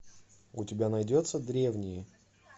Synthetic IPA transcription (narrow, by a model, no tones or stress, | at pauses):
ʊtʲɪbʲanɐjdʲot̪sːəd̪ɾʲe̞vnʲɪjɪ